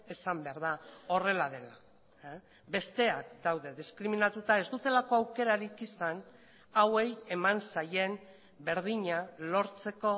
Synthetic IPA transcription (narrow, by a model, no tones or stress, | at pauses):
e̞sambeaɾð̞ao̞re̞laðe̞la | be̞st̪e̞akd̪awðe̞ðiskɾiminat̪ut̪ae̞zd̪ut̪e̞lako̞awke̞ɾaɾikisan | awe̞je̞mansaje̞n | be̞ɾð̞iɲalo̞ɾt͡se̞ko̞